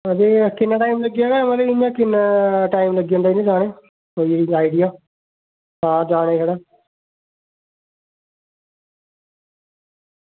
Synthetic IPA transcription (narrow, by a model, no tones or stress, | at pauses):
əd̪eːkɪnːʈaːimləɡijaːɡaːmət̪ləɪãːkɪnʈaːɪmləɡiːõnd̪aiːnẽːd͡ʒaːɽ̃eː | ɦoːiiaːɪɖɪjaː | ɦãːd͡ʒaːɽẽːsaːɽaː